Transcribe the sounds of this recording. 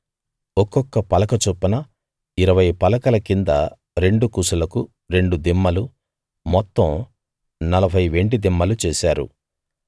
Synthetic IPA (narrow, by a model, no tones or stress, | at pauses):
ɔkːɔkːɐpɐlɐkɐt͡ʃupːɐnɐ | iɾɐʋɐjpɐlɐkɐlɐkind̪ɐ | ɾe̞ɳɖukusulɐku | ɾe̞ɳɖud̪imːɐlu | mɔt̪ːɐm | nɐlɐbʱɐjʋe̞ɳɖid̪imːɐlut͡ʃɛːsaːɾṵ